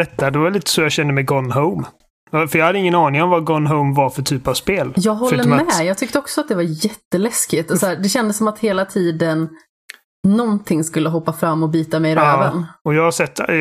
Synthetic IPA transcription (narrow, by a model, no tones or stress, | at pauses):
d̪ɛt̪ːad̪ɛvavɛliːt̪ə̥sɔjɑːɕɛnd̪əmɛɡɔnɦoʊm | afœɾjɑhad̪ːəɪŋːənɑːnɪŋɔmvaɡɔnɦəʊmvaɾfœʈʰyːpavspeːljɑːɡɦɔlːəmmɛjɑːɡ̚t̪ʰʏk̚t̪əɔksɔat̪̚d̪ɛvaɾjɛt̪ːəlɛskɪt̪sɔæːɖɛɕɛnd̪əsːɔmat̪heːlat̪ʰiːd̪ən | ɔnt̪ʰɪŋːskɵlːəɦɔpːafɾamːɔbyːt̪amɛjɾøːvənɔjɑːɡhaɾsɛt̪ː